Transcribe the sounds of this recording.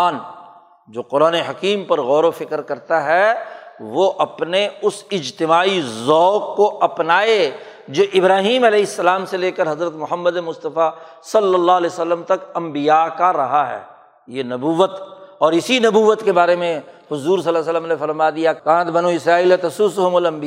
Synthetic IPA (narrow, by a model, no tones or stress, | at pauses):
n | d͡ʒoːqʊɾaːneɦɐkiːmpɐɾɣɔːɾofɪkəɾkɐɾt̪aɦɛʋoʔɐpneʊsɪd͡ʒt̪ɪmaːizɔːkːoʔɐpnaːe | d͡ʒoːʔɪbɾaːɦiːmɐlɛːɦɪsːɐlaːmseleːkəɾɦɐzɾət̪mʊɦəmːəd̪emʊst̪əfa | sɐlːəlːaːɦɐlɛːsəlːəmt̪ɐkɐ̃mbijakaɾɐɦaɦɛ̰ː | jenɐbuːʋət̪ɔːɾɪsinɐbuːʋət̪kebaːɾemẽhʊzuːɾs̬ɐlːas̬əlːəmnefɐɾmad̪ijakãːt̪bɐnuɪsɾaːiːlet̪ɐsuːsʊɦʊmʊlɐ̃mbi